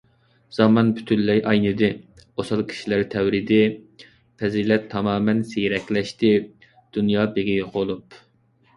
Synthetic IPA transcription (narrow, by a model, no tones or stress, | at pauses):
z̥ɑmɑnpʰy̥t̪ʰyllːɛjʔɑjnɨd̪ɪosɑlˠkʲʰi̥ʃilæɾt̪ʰɛwɾid̪ɪ | pʰɛzilɛt̪ʰːɑmɑːmɛnsejɾɛkʲlɛʃt̪ɪ | d̪̥unjɑːbeɡʲijqʰolˠup